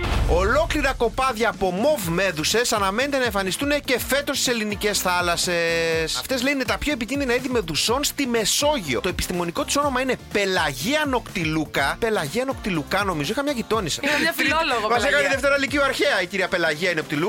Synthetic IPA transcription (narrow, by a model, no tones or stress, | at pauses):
o̞lo̞kliɾɐko̞pɐðʝɐːpo̞mo̞vme̞ðuse̞sɐnɐmenet̪enɐẽɱfɐnist̪unece̞fe̞t̪o̞st̪i̥selinice̞sθɐlɐse̞sɐft̪e̞zleunet̪ɐpço̞ep̬icinðinɐiðime̞ðuso̞nst̪ime̞so̞ʝio̞̰t̪o̞epist̪imo̞niko̞t̪iso̞no̞mɐine̞pe̞lɐʝiɐno̞kt̪ilukɐpe̞lɐʝiɐno̞kt̪ilukɐno̞mizo̞ixɐmɲɐʝit̪o̞nisiiɐfioloɣmɐzekɐet̪iðeft̪eɾɐliciuɐɾçeɐiciɾiɐpe̞lɐʝiɐineokt̪ilu